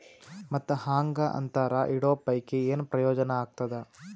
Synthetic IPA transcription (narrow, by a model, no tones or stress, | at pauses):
mɐt̪ːuhaːŋɡaʔɐ̰nt̪aːɾaʔiɽoːpɐjkeeːnpɾɐjɔːd͡ʒɐnɐaːɡ̚t̪ɐd̪e